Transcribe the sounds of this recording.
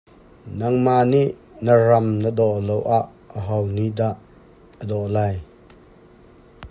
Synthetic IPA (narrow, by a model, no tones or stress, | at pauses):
nɐŋmaʔniʔ | nərɐmnəd̪ɔʔlowʔaʔ | əɦɔwnid̪aʔː | əd̪ɔʔlaj